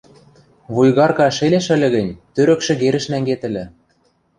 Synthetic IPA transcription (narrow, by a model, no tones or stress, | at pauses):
βujɣɑrkɑʃelʲeʃə̆lʲɘ̆ɣɘ̆nʲt̪øɾɘ̆kʃɘ̆ɣeɾɘ̆ʃnæŋɡet̪ə̆lʲɘ̆